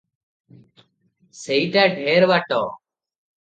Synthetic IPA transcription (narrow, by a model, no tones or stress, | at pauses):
səiːʈɛːɖʱeːɾʋaːʈo̰ː